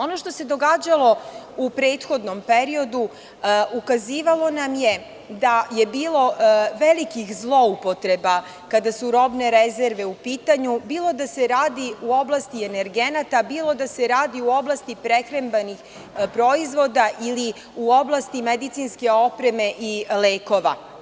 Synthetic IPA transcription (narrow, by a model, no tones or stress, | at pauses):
o̞no̞ʃt̪o̞se̞d̪o̞ɡaːd͡ʑalˠo̞upɾe̞ːt̪xo̞d̪no̞mpeɾio̞d̪u | ukaziːʋalˠo̞namje̞ | d̪aje̞biːlˠo̞ʋe̞likixzlˠo̞upo̞t̪ɾe̞ba | kad̪asuɾo̞bne̞ɾezeɾʋe̞upiːt̪aɲubiːlˠo̞d̪ase̞ɾaːd̪iuo̞blˠast̪iene̞ɾɡe̞nat̪abiːlˠo̞d̪ase̞ɾaːd̪iuo̞blˠast̪ipɾekɾembanix | pɾo̞izʋo̞d̪aʔili | uo̞blˠast̪imed̪it̪sinske̞o̞pɾe̞me̞ʔileːko̞ʋa̰